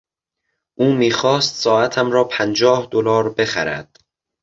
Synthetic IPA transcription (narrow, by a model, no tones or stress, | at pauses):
ʔuːmiːxɒːst̪sɒːæt̪ʰæmɾɒːpʰænd͡ʒɒːhd̪olɒːɾbe̞xæ̰ɾæ̰d̪̥